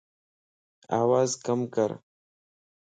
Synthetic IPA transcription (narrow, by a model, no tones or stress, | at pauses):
a̰ːwaːzkamkəɾ